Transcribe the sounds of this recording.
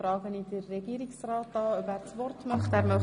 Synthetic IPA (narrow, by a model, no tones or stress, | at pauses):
ɾɑːɡənidərːɛɡiːɾiksrɑːtɑːœbæːɾt͡svɔrtmɑχtæːɾmœ